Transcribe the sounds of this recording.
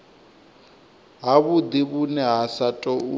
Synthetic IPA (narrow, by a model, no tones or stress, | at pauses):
ɦaβud̪iβunɛɦasatʼɔu